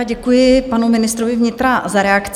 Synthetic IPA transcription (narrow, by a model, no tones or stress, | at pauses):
ɟɛkujɪpanumɪnɪst̪ɾovɪvɲɪt̪ɾazaɾɛakt͡s